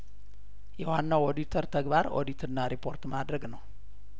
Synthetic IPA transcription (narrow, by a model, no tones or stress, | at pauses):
jɛwanːawod̪it̪ʰəɾt̪ʰəɡbaɾo̰d̪it̪ʰɨnːaɾipʰo̞ɾt̪mad̪ɾəɡnəw